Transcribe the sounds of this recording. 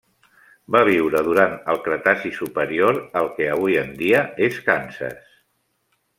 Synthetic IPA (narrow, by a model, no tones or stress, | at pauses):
baβ̞iwɾəð̞uɾanəlˠkɾət̪asisupəɾioɾəlˠkɛəβujənd̪iəeskansə̰s